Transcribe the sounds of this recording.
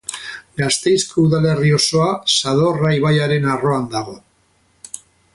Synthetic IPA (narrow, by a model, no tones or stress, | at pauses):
ɡast̪e̞jsko̞uðale̞rio̞so̞asaðo̞raiβajaɾe̞naro̞and̪aɣ̞o̞